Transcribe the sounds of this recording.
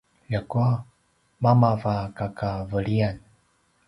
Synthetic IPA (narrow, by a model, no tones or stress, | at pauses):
ʎakua | mamavakakavəlian